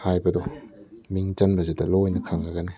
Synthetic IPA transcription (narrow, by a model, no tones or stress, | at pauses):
hajbɐdɔmiŋt͡ʃɐnbɐzedɐlojnɐkʰaŋaɡane